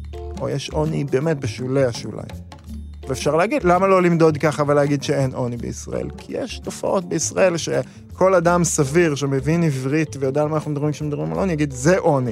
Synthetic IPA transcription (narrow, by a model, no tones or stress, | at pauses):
ʔo̞̰jeʃʔonibe̞ːme̞t̚beʃuleaʃula̰j | veefʃaʁleaɡidlamalo̞limd̪o̞d̪kaχaveleaɡid̪ʃeenʔo̞nibḛḭsʁa̰ḛlkʰijḛʃto̞faʔot̚beisʁae̞lʃe | kʰo̞ladamsaviʁʃemevinivʁit̪vejod̪ealmaenχnumed̪abʁimkʃemed̪abʁimalʔo̞nijaɡid̪zeʔoni